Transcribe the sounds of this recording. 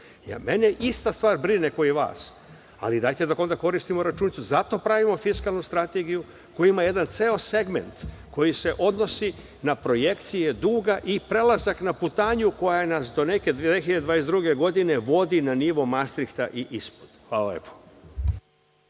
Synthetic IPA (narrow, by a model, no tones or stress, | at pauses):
ja̰meneʔist̪ast̪ʋaːɾbɾineko̞jiʋa̰ːs | a̰lid̪ajt̪e̞d̪ako̞nd̪ako̞ɾist̪imo̞ɾat͡ʃunit̪suzat̪o̞pɾaʋimo̞fiskalˠnust̪ɾat̪eɡiju | ko̞jimaje̞d̪ant̪seːose̞ɡme̞̰nt̪ko̞jise̞ʔo̞d̪no̞si | napɾo̞je̞kt̪sije̞d̪uːɡaʔipɾe̞lazaknaput̪aːɲuko̞janasd̪o̞ne̞ke̞d̪exiʎad̪ed̪ʋaːjesd̪ɾuɡe̞ɡo̞d̪ine̞ʋo̞d̪inaniʋo̞mast̪ɾikt̪a̰ʔiʔispo̥d̪̥xʋaːla̰lḛːpʰo̥